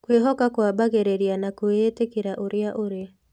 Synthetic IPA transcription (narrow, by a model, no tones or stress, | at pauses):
kweɦɔkakwabaɣeɾeɾianakweːtekeɾaʔoɾeaʔoɾea